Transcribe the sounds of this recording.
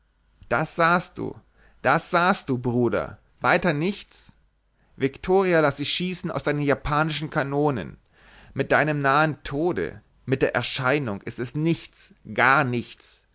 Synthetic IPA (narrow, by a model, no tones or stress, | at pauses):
d̥asz̥aːst̚d̥ṵː | d̥asz̥aːst̚d̥uːbʁuːdɐ̰ | vaɪtɐnɪçt͡s | vɪktʰoːʁialasd̥ɪçʃiːsn̩aʊsd̥aɪnənjapʰaːnɪʃn̩kʰanoːnə̰n | mɪt̚d̥aɪnəmnaːəntʰoːdə̰ | mɪt̚d̥eːɐʔɛ̰ɐʃaɪnʊŋʔɪstɛsnɪçt͡sɡ̥aːɐnɪçt͡s